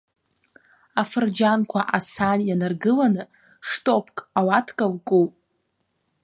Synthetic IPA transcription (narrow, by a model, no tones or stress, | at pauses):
afɨrd͡ʒankʷʰaʔasanjanarɡɨlanɨ | ʂtʼo̞pʰkʼawatʰkʼalkʷʼowpʼ